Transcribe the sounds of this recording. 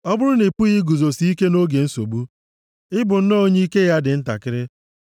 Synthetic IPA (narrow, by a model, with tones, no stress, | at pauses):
ɔ˦bʊ˦ɾʊ˦ne˨pu˦ɣi˦ɡu˨zo˨si˦i˦ke˦no˦ɡe˨n̩˦so̰˨bu˦ | ɪ˦bʊ˨n̩˦no˦ɲe˦i˦ke˦ja˦dɪ˨n̩˦ta̰˨kɪ˦ɾɪ˦